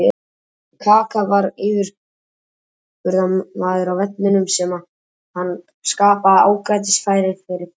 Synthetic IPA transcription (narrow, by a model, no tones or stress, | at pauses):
kʰaːkavaɾivɪɾ̥ | vʏɾðanvaːðʏɾawvɛt̪̚nɪnʏmsɛma | hanː | skaːpaða̰ːwkɾaːjt̪̬ɪsfaːjɾɪɾ̥fɪɾɪɾ̥